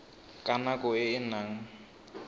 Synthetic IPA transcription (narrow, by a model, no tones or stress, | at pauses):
kʼanakʼɔɪɪnaːŋ̩